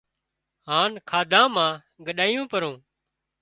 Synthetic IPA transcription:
ɦaːnkʰaːd̪ʱãːmãː | ɡəɗaːjõːpəɾõː

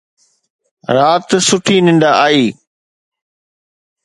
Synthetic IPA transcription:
ɾaːt̪sʊʈʰiːnɪ̃ɳɖaaːiː

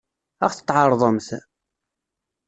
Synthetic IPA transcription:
æ̰χθə̥t̪ːˤʕɑɾˤðˤəmθ

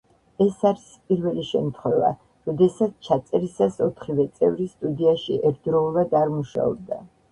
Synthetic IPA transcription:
ɛsaɾispʼiɾvɛliʃɛ̰mt̪ʰχwɛva̰ | ɾɔd̪ɛsat̪sʰt͡ʃʰat̪sʼɛɾisasɔt̪ʰχivɛt̪sʼɛ̰vɾist̪ʼud̪iaʃiʔɛɾt̪̚ʰd̪ɾɔulˠvad̪aɾmuʃa̰ɔ̰b̚d̪a

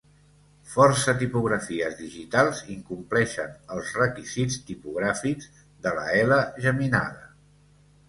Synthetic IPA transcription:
fɔrsət̪ipuɣɾəfiəzðiʒit̪alˠziŋkumplɛʃənəlˠzrəkizist̪ipuɣ̞ɾafiɡz | ðələ̰ɛləʒəmina̰ðə

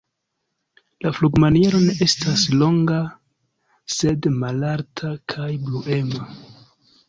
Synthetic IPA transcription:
lafluɡmanije̞ɾo̞ne̞ʔe̞stʰaslo̞ŋɡa | se̞dmalaɾtʰakʰajbluʔe̞ma

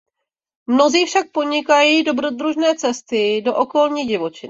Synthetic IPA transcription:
mno̞ziːfʃak̚po̞ɲɪkajiːdo̞bɾo̞d̪ɾuʒnɛːt͡sɛst̪ɪdo̞ʔo̞ko̞lɲiːɟɪvo̞t͡ʃɪn

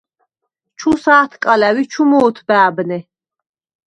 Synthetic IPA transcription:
t͡ʃʰusaːt̪ʰkʼalæwit͡ʃʰumɔːt̪ʰbæːbnɛ

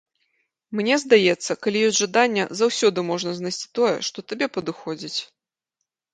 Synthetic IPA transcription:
mnʲɛzd̪ajɛt̪sːɐkalʲijɔsʲʐad̪anʲːɛ̰zawsʲɔd̪ɨmɔʐnɐznajsʲt͡sʲi̥t̪ɔjɛ̰ʂt̪ɔt̪abʲɛpɐd̪ɨxɔd͡zʲit͡sʲ

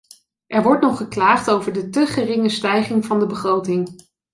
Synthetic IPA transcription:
ʔɛɹʋɔɹtnɔχəklaːχtowvəɹdətəχərɪŋəstɛjχɪŋvɑndəbəχrowtɪŋ

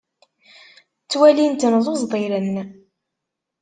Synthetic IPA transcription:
t͡sːwælint̪nðˤozˤd̪ˤiɾənː

